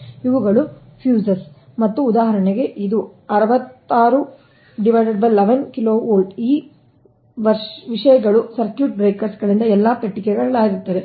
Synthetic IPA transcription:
juʋuɡɐɭu | pʰjuːsɐs | mɐt̪ːuːd̪aːɦɐɾɐɳeɡe̞ʔid̪uɐɾɐʋɐt̪ːaːɾu | ɖiʋɐʈɐɽbɐlːeʋɐnkiloːoːlɖiː | ʋɐɾʂʋiʂɐjɐɡɐɭusɐɾkjuːʈ̚bɾeːkɐɾsɡɐɭind̪ɐɛlːaːpeʈːikɛɡɐɭɐɭaːɡiɾut̪ːɐd̪e

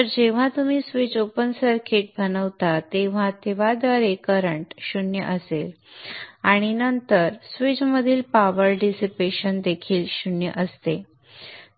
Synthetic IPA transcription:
t̪əɾd͡ʑeʋ̤at̪umiːsʋit͡ɕopənsəɾkʰeʈ̚bʱənəʋt̪at̪eʋ̤at̪eʋ̤ad̪ʋaɾekəɾəɳʈɕunjə̰ʔəsel | aɽ̃inənt̪əɾsʋit͡ɕməd̪ʱiːlpaʋəɾɖisipeɕənd̪ekʰiːlɕunjə̰ʔəst̪e

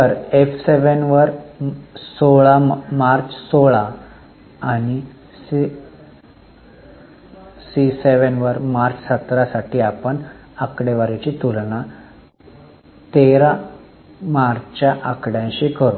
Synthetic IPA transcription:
t̪əɾefseʋənʋəɾ | soɭamaɾt͡ssoɭaː | ɽ̃i | siseʋənʋəɾmaɾt͡ssət̪ɾasaʈʰiːapəɳ | akɽeʋaɾet͡ɕit̪ulɳa | t̪eɾa | maɾt͡ɕjaʔakɽjãɕikəɾu

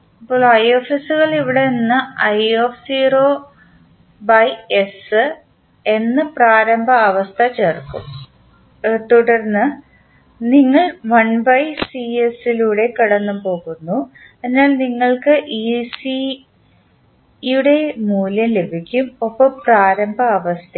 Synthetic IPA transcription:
ɐpːoːɭɐjoːfisuɣɐɭiʋiɽe̞nːɨɐjoːfsiːroː | bɐjesɨ | e̞nːɨpraːɾɐmbʱɐɐʋɐst̪ʰɐt͡ɕeːrkṵm | t̪uɽɐrnːɨ | niŋːɐɭʋɐɳbɐjsiesiluːɽe̞kiɽɐnːupo̞ːɣunːu | enːaːlniŋːɐɭkɨʔiːsi | juɽe̞muːljɐmlebʱikʲːumopːɐmpraːɾɐmbʱɐːʋɐst̪ʰɐ

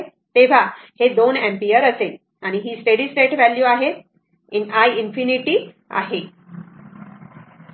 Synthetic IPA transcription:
t̪eʋ̤ahed̪onɛ̃mpijəɾəsel | aɽ̃iɦiːsʈeɽiːsʈeʈʋæljuaɦe | inajinfiniʈiː | a̰ɦe

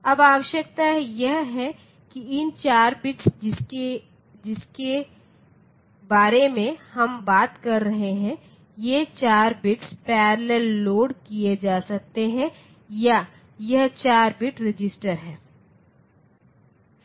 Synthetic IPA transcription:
ɐbaːwəʃək̚t̪ajɐɦɦɛ | kiɪnt͡ʃaːɾbɪʈsd͡ʒɪe | d͡ʒɪske | baːɾemẽhɐmbaːt̪kɐɾːɐɦeɦɛ̃ | jet͡ʃaːɾbɪʈspɛːɾlelːoːɖkijed͡ʒaːsɐk̚t̪eɦɛ̃ | ja | jɐɦt͡ʃaːɾbɪʈɾɪd͡ʒɪsʈəɾɦɛ̃ː

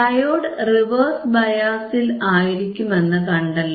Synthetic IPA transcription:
ɐjoːɽɨriʋɐrsbɐjaːsilaːjiɾikʲːume̞nːɨkɐɳɖɐlː

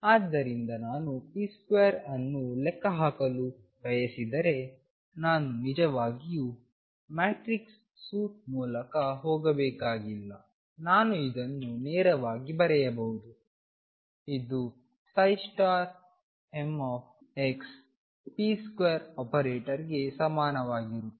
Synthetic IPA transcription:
aːd̪ːɐɾind̪ɐnaːnupiːskʋeːɐɾɐnːulɛkːɐɦaːkɐlu | bɐjɐsid̪ɐɾe̞ | naːnunid͡ʒɐʋaːɡiju | maːʈɾiksː | uːt̪̚muːlɐkɐɦɔːɡɐbɛːkaːɡilːɐ | naːnuid̪ɐnːunɛːɾɐʋaːɡibɐɾɛjɐbɐɦud̪u | id̪u | sɐjsʈaːɾ | emaːp̚ʰ | eks | piskʋeːɐɾɔːpɐɾeːʈɐɾiɡe̞sɐmaːnɐʋaːɡiɾu

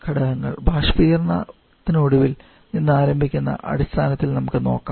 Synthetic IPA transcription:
kʰɐɽɐɦɐŋːɐ̰ɭbʱaːʂpijɐrnɐ̰ | t̪ːinoɽuʋil | ninːɨaːɾɐmbʱikʲːunːɐ̰ʔɐ̰ɽist̪ʰaːnɐt̪ːilnɐmukːɨno̞̰ːkːaːm

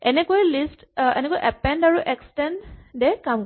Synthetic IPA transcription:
ɛnɛkojlistɛ̰nɛkojʔɛpɛndaɹuʔɛkstɛnddɛkamk

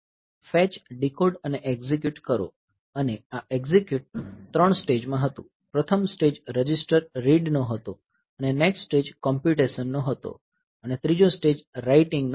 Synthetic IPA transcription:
fɛt͡ʃɖikoɖəneʔeɡzik̬juʈkəɾo̰ | əneaeɡzikjuʈ̚t̪ɾəɳ̃sʈed͡ʒmãɦət̪ṵ̃ | pɾət̪ʰəmsʈed͡ʒɾəd͡ʒisʈəɾːiɖnoɦət̪o | ənenekssʈed͡ʒkɔmpuʈesənːoɦət̪o̰ | ənet̪ɾid͡ʒosʈed͡ʒɾaiʈɪ̃ŋɡn

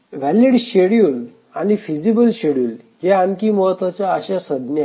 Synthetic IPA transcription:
ʋæliɽɕeɽjuːl | añifid͡ʑibəlɕeɽjuːl | ɦɛankiːməɦət̪ʋat͡ɕjaːɕasəd̪nja

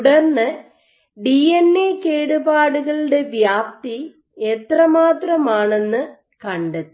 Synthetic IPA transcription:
ɽɐrnɨ | ɖienːeːkeːɽubaːɽuɣɐɭɽe̞ʋjaːp̚t̪i | et̪rɐmaːt̪rɐmaːɳe̞nːɨ | kɐɳɖɐtː

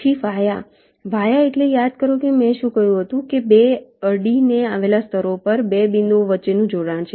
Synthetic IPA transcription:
ʃʰiʋaja | ʋajaeʈlejad̪kəɾokemɛ̃ʃũkəjũɦət̪ũkebeəɾɖineaʋelast̪ʰəɾopəɾbebind̪oʋətːʃenũd͡ʒoɽãnt͡ʃʰe

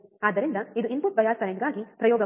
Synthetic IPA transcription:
aːd̪ːɐɾind̪ɐid̪uimpuʈ̚bɐjaːskɐɾeɳʈɡaːɡipɾɐjɔːɡɐ

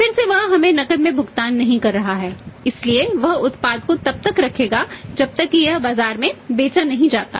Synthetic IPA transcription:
fɪɾseʋɐɦɦɐmẽnɐkəd̪mẽbʱʊɡt̪aːnːɐɦĩkɐɾːɐɦaɦɛːɪslieʋɐɦʊt̪paːd̪̚kot̪ɐb̚t̪ɐkɾɐkʰeːɡad͡ʒɐb̚t̪ɐkːijɐɦbaːzaːɾmẽbeːt͡ʃanɐɦĩd͡ʒaːt̪a̰ː

